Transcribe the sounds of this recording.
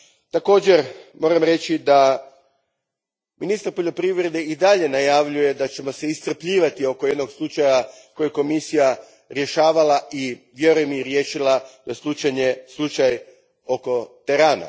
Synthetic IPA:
t̪ako̞ːd͡ʑe̞ɾmo̞ːɾamɾe̞t͡ʃid̪a | minist̪aɾpo̞ʎo̞pɾiʋɾe̞d̪e̞id̪aʎe̞najaʋʎuje̞d̪at͡ɕe̞mo̞seisr̩pʎiːʋat̪io̞koje̞d̪no̞ɡslˠut͡ʃaja | ko̞jeko̞misija | ɾje̞ʃaːʋalaʔiʋje̞ɾujemiɾjeːʃilad̪ajeslˠut͡ʃaɲe̞slˠut͡ʃaj | o̞ko̞t̪eɾaːna̰

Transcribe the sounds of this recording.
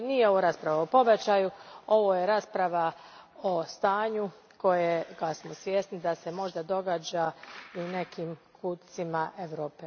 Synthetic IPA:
nijeo̞ʋoɾaːspɾaʋaopo̞bet͡ɕajuo̞ʋo̞ːje̞ɾaːspɾaʋaost̪aːɲu | ko̞jeɡasmosʋjesnid̪ase̞mo̞ʒd̪ad̪o̞ɡaːd͡ʑaine̞kimkʰut̪t̪simaʔeʋɾo̞ːpe

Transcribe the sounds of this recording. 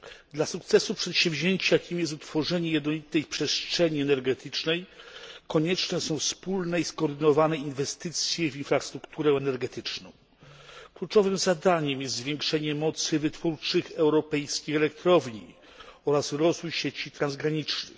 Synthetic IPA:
d̪lasukt̪sɛsupʂɛt̪ɕɛ̃vʑeɲt͡ɕakʲimjɛst̪ut̪fɔʐɛɲɛjɛd̪nɔlʲit̪ɛjpʂɛsttʂɛɲiɛnɛɾɡɛt̪ɘt͡ʂnɛjkɔɲɛt͡ʂnɛsɔ̃w̃fspulnɛiskɔːɾd̪ɘnɔvanɛinvɛst̪ɘt̪sʲjɛvʲinfɾast̪ɾukt̪uɾɛɛnɛɾɡɛt̪ɘt͡ʂnɔ̰̃w̃ | klut͡ʂɔvɘmzad̪aɲɛmjɛst̪zvʲjɛŋkʂɛɲɛmɔt̪sɘvɘt̪fuɾt͡ʂɘxɛwɾɔpɛjskʲixɛlɛk̚t̪ɾɔvɲi | ɔɾasɾɔzvujɕet͡ɕit̪ɾanzɡɾaɲit͡ʂnɘ̰x

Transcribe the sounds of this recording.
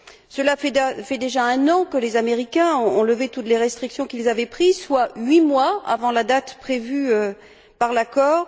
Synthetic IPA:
səlafɛfɛd̪eʒaɛ̃nɑ̃kəlezameʁikʲɛ̃ɔ̃ɔ̃ləvet̪ut̪leʁɛst̪χiksjɔ̃kʲilzavɛpχizswaɥimwaa̰vɑ̃lad̪at̪pχevyø | paʁlakɔːʁ

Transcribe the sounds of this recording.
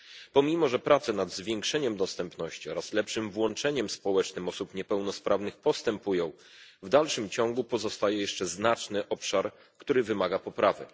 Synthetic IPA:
pɔmʲimɔʐɛpɾat̪sɛnad̪zvʲjɛŋkʂɛɲɛmd̪ɔst̪ɛmpn̪ɔɕt͡ɕiɔɾaslɛpʂɘmvwɔnt͡ʂɛɲɛmspɔwɛt͡ʂnɘmɔsupɲɛpɛwnɔspɾʔavn̪ɘxpɔst̪ɛmpujɔ̃w̃ | vd̪alʂɘmt͡ɕɔŋɡupɔzɔst̪ajɛjɛʂt͡ʂɛznat͡ʂnɘʔɔpʂaɾ | kt̪uɾɘvɘmaɡapɔpɾavɘ̰

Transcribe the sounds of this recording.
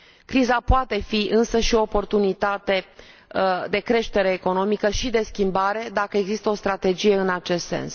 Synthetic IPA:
kɾizapoat̪e̞fiɨnsəʃio̞ːpo̞rt̪unit̪at̪e̞ | d̪e̞kɾe̞ʃt̪e̞ɾe̞ːko̞no̞mikəʃid̪e̞skʲimbaɾe̞d̪akəe̞ɡzist̪əo̞st̪ɾat̪e̞d͡ʒije̞ɨnat͡ʃe̞st̪se̞̰ns

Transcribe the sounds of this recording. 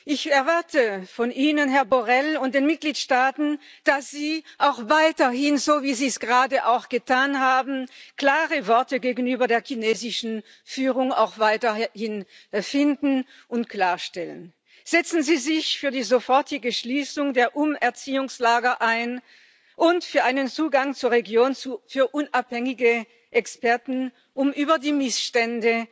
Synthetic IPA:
ʔɪçɛɐvaɐtʰəfɔnʔiːnənɦɛɐbɔʁɛlʊntd̥eːnmɪt̚ɡ̥liːtʃtaːtn̩d̥asz̥iːʔaʊxvaɪtɐhɪnzoːviːziːsɡ̥əʁaːdəʔaʊxɡ̥ətʰaːnhaːbn̩kl̥aːʁəvɔɐtəɡeːɡn̩yːbɐdeːɐkineːzɪʃn̩ | fyːʁʊŋa̰ʊxv̥aɪtɐhɪnfɪndn̩ | ʔʊntkl̥aːɐʃtɛlə̰n | z̥ɛt͡sn̩ziːzɪçfyːɐdiːzofɔɐtʰɪɡəʃliːsʊŋdeːɐʔʊmɛɐt͡siːʊŋslaːɡɐʔaɪn | ʔʊntfyːɐʔaɪnənt͡suːɡaŋt͡suːɐʁeɡjoːnt͡sufyːɐʔʊnʔaphɛŋɪɡə | ʔɛkspɛɐtn̩ | ʔʊmʔyːbɐdiːmɪsʃtɛndə

